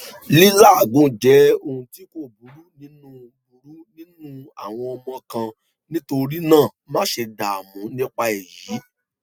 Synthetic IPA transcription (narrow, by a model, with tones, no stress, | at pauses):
li˦la˦˨ɡũ˨˦d͡ʒɛ˨˦o˧hũ˧ti˨˦ko˦˨bu˨˦ɾu˨˦nĩ˦nũ˦ | bu˨˦ɾu˨˦nĩ˦nũ˦a̰˨w̃ɔ̃˧ɔ˧mɔ̃˧kã˧ | nĩ˦to˧ɾi˦nãː˦˨mã˦ʃe˧da˨mũ˨˦nĩ˦k͡pa˧ɛ˨jiː˨˦